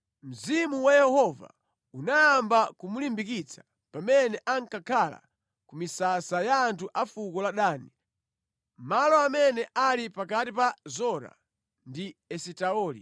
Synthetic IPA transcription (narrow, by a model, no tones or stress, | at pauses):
m̩zimuwajɛhɔva̰ | unajambakumulimbikit͡sʰḁ | pamɛnɛʔaŋkakʰala̰ | kumisasajaːntʰuʔafukɔlaɗaːni | malɔamɛnɛʔalipakatipazɔɾa̰ | ndiɛsitaɔːlḭ